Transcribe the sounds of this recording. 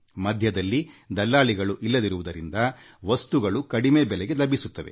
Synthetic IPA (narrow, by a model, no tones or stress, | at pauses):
mɐd̪ʱjɐd̪ɐlːid̪ɐlːaːɭiɡɐɭuʔilːɐd̪iɾuʋud̪ɐɾind̪ɐʋɐst̪uɡɐɭukɐɽimeːbɛlɛɡe̞lɐbʱisut̪ːɐʋe